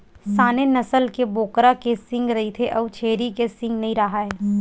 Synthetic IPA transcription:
saːnenɐsəlkeboːkɾakesɪ̃ŋɡɾɐɦit̪ʰeʔɐʋt͡ʃʰeːɾikesɪ̃ŋɡnɐɦĩɾɐɦaɦɛː

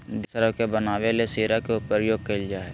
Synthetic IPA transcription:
d̪ɪsəɾəkebənaːʋelesiːɾakeupəɾjoːɡ̚keɪld͡ʒaːɦɛ

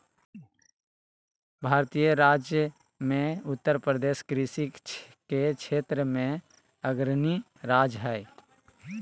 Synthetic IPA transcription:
bʱaːɾt̪ijəɾaːd͡ʒjə | mẽʊt̪ːəɾpɾəd̪eːʃkɾisikket͡ʃʰeːt̪ɾəmẽ | əɡɾni | ɾaːd͡ʒɦɛː

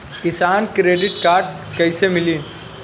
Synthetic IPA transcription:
kɪsaːnkɾeːɖɪʈkaːɾɖ | kɐɪsemɪliː

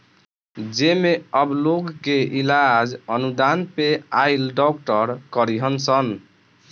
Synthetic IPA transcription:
d͡ʒemeəbloɡkeʔilad͡ʒənud̪anpeailɖɔk̚ʈəɾkəɾiɦənsən

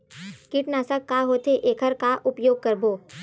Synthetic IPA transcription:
kɪʈnaːsakːaɦoːt̪eʔeːkʰəɾkaʔʊpjoːɡ̚kəɾboː

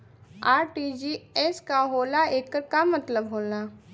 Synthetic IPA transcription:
aːɾʈid͡ʒiɛskaɦoːlaeːkːəɾkamɐt̪ləbɦoːla

